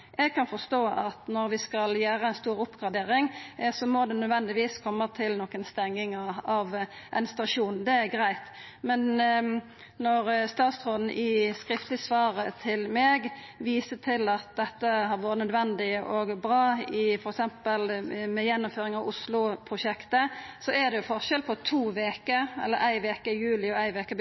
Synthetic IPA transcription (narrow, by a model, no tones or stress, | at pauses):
ʔɛɡ̚kʰɑnfɔst̪oːʔɑt̪nɔɾʋɪskɑljæːɾəæɪnst̪uːɾʊpɡɑd̪eːɾɪŋsɔmɔd̪ɛnœd̪ʋɛnd̪ɪʋiːskʰɔmːət̪ʰɪlnɔkːənst̪ɛŋːɪŋəɑʋʔɛnst̪ɑʂuːnd̪ɛæɾɡɾæɪt̪ | mɛn | nɔɾst̪ɑːt̪sʁoːd̪n̩ʔɪskɾɪft̪lɪsʋɑːɾət̪ʰɪlmeːɡ | ʋiːsət̪ʰɪlɑt̪̚d̪ɛt̪ːəɦɑɾʋoːɾət̪nœd̪ʋɛnd̪ɪəʔɔɡbɾɑːɪfɔɾɛksɛmpəlmɛjɛnːʊmføːɾɪŋɑʋʊslʊpʰʁʊʃɛkt̪əsɔæd̪ɛjʊfɔʁʃɛlpʰɔt̪ʰuːʋeːkəɛ̰lːəɾæɪʋeːkəjʉːlɪɔæɪʋeːkə